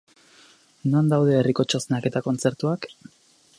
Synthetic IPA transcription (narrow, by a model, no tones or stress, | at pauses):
nond̪awð̞e̞ːriko̞t͡ʃo̞sneake̞t̪ako̞nt͡se̞ɾt̪uak